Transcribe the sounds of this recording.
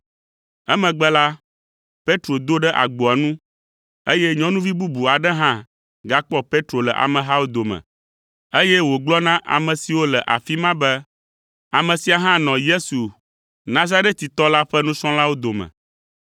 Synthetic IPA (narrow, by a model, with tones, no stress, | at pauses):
ɛ˦mɛ̃˨ɡ͡bɛ˦la˦ | pe˦t̪ɾo˨d̪o˦ɖɛ˦ʔa̰˨ɡ͡bɔ˨a˨nũ˦ | e˦jɛ˦ɲɔ̃˦nũ˦vi˦bu˦bu˨a˨ɖɛ˦ɦã˦ | ɡa˦k͡pɔ˦pe˦t̪ɾo˨lɛ˨ʔa̰˨mɛ̃˨ɦa˦wo˦d̪o˨mɛ̰̃˨ | e˦jɛ˦wo˨ɡ͡blɔ˦nã˦ʔa̰˨mɛ̃˨si˨wo˦lɛ˨ʔa̰˨fi˦mã˦bɛ˦ | a˨mɛ̃˨si˨a˨ɦã˦nɔ̃˨je˦su˨ | nã˨za˦ɾe˦t̪̚t̪i˨t̪ɔ˦la˦ɸɛ˦nũ˦sɔ̃˦la˦wo˦d̪o˨mɛ̰̃˨